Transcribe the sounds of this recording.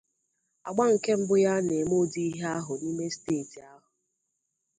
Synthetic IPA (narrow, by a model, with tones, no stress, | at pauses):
a˨ɡ͡ba˦ŋ̩˨ke˦m̩˦bʊ˦ja˦ne˨mo˦˨di˦i˦ɦe˦a˦ɦʊ˨ni˦me˦steː˦˨ti˨a˦ɦʊ˨